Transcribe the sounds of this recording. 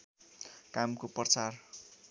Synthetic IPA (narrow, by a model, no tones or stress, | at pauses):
kamkopʌt͡sar